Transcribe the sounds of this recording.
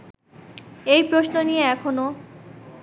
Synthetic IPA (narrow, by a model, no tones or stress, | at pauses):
ejpɾosnonieɛkʰono